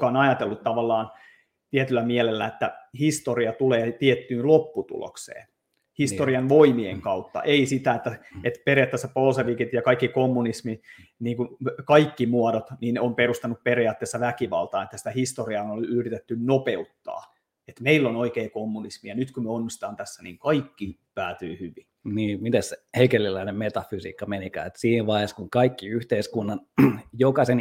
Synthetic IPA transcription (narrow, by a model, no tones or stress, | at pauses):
kɑonɑjɑt̪elːut̪t̪ːɑʋɑlːɑːn | t̪iet̪ylːæmielelːæ̰et̪ːæhist̪oriɑt̪uleːt̪iet̪ːyːnlopːut̪ṵlo̰ksḛːn | hist̪oriɑnʋoimieŋkɑut̪ːɑ̰ʔeisit̪æet̪ːæet̪perijɑˑt̪ːesːæpolseʋikit̪jɑkɑikːikomːunisminiːŋkukɑikːimuodot̪niːnomperust̪ɑnːupperiɑːt̪ːeːsːɑʋækiʋɑ̰lt̪ɑːnet̪ːæsi̥t̪æhist̪oriɑnolyhrit̪et̪ːynnopeut̪ːɑ̰ː | et̪meilːonoikeːkomːunismijɑnyt̪kumeonːist̪ɑːnt̪æsːænḭːŋkɑikːipæːt̪y̰ːhyʋinniːmit̪esseheikelːilːæinemmet̪ɑfysḭːkːɑmenikæ̰ːet̪siːnʋɑiheskuŋkɑikːiyht̪eiskunːɑnjokɑsen